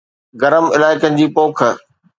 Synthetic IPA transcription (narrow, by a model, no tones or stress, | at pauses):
ɡɐɾəmɪlaːɪkənɪ̆d͡ʑiːpoːkʰə